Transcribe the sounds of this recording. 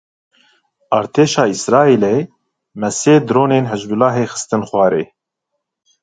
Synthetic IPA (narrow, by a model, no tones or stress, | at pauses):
ɑːɾt̪ʰeːʃɑːisɾɑːiːle | mɛseːd̪ɾoːneːnɦɨzbulɑːɦeːxə̥st̪ɨnxʷwɑːɾeː